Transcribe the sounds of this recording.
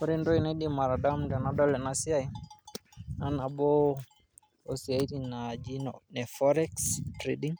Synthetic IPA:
ɔ˦ɾi˦ndo˦i˨na˦di˦ma˨ɾa˨da˦mdɛ˨na˨dɔ˦lɛ˨na˦si˦a˦i˦ | na˨na˨bo˦ | o˨si˨a˨i˦ɾi˨na˨d͡ʒi˦nɔnɛ˨fɔ˦ɾɛ˦kstɾe˨di˦ŋ

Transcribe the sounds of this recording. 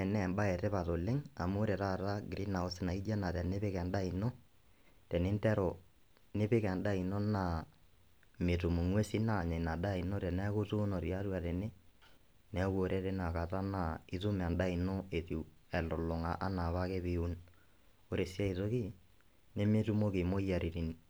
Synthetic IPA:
ɛ˨nɛ˦˨mba˦ɛ˨tɛ˦pa˨to˨lɪ˦ŋa˨mʊ˦ɾɛ˨ɾa˦˨ta˦ɡɾi˦na˨o˦sɪ˦na˨i˦d͡ʒa˦na˨tɛ˨ne˦pɪ˦kɛ˨nda˦i˨nɔ˦ | tɛ˨nɪ˦ntɛ˦ɾɔ˨ | nɪ˦pɪ˦kɛ˨nda˦i˨nɔ˦na˨ | me˨tu˨mu˨ŋwe˦si˦na˦˨ɲɛ˨na˨da˦i˨nɔ˦tɛ˨nɛ˦kʊ˦tu˦nɔ˨ɾi˨a˦ɾwa˨tɛ˨ne˦ | nɛ˨˦ko˨ɾʔɛ˦tɛ˦na˨ka˨ta˦na˨i˨tu˦m˨a˨nda˦i˨nɔ˦e˨ti˨ | ɛ˨lʊ˨lʊ˨ŋa̰˨ʔa˦na˨βa˦kɛ˦bi˦u˦n | o˦ɾe˨sja˦i˨to˦ki˦ | nɛ˦me˦tu˦mo˦ke˨mo˦ja˨ɾi˨ɾi˨n

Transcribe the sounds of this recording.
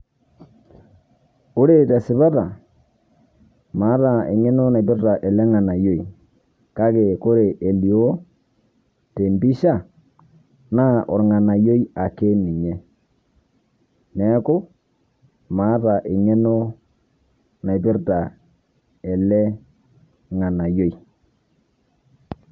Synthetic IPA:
o˦ɾe˨tɛ˨sɪ˨ba˦ta˨ | ma˨˦ta˨ḛ˨ɲɛ˦no˦na˨bɪ˦ɾta˨ʔɛ˨lɛ˦ŋa˨na˨jo˨i˨ | ka˦ke˨ko˦ɾe˨ʔe˨li˨o˦ | te˨mbi˦ʃa˦˨ | na˦ʔɔ˨ɾŋa˨na˨jo˦i˦a˨ke˦ni˨ɲɛ˦ | nɛ˦kʊ˦ | ma˨˦ta˨ʔɪ˨ɲɛ˦no˦ | na˨jbɪ˦ɾta˨ | ɛ˨lɛ˦ | ŋa˨na˨jo˦i˨

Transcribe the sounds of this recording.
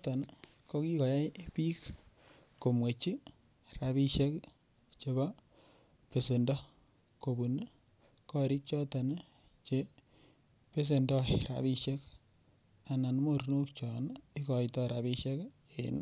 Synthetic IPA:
ta˨nko˦ki˦kɔ˨ja˦pi˦k | ko˨mwe˨t͡ʃi˦ | ra˨bi˦ʃe˦k | t͡ʃe˨ba˦ | pe˨se˨ndɔ˦ | ko˨bu˨n | kɔ˦ɾi˦k̚t͡ʃɔ˦ta˨n | t͡ʃe˦ | pe˦s̬e˨ndɔ˦ɾa̰˨bi˦ʃe˦k | a˨na˨nmo˦ɾno˦kt͡ʃɔ˨ni˦kɔ˨jtɔ˦ɾa˨bi˦ʃɛ˦k | e˨n

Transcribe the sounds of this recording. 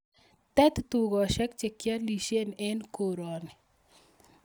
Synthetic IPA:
t̪ɛ˦t̪t̪u˨ɡɔ˨ʃɛ˦kt͡ʃe˨kja˦li˨ʃe˦nɛ˦nko˨ɾɔ˨nɪ˨

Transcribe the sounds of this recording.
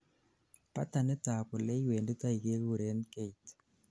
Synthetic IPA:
pa̰˦ta˨nɪ˦ta˨pʊ˨lɛ˦i˦weː˨ndi˦ta˦ike˦ɣu˨ɾe˦nke˦it

